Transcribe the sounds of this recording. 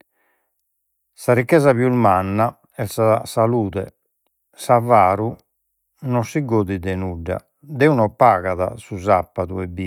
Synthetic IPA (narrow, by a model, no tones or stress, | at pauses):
saɾikːɛzaβjulmanːa | ɛsasaluːðɛ̰ | savaːɾu | nɔsːiɡoːðid̪ɛnuɖːa̰ | d̪ɛunɔpːaːɣaða̰suzapːaðuɛbi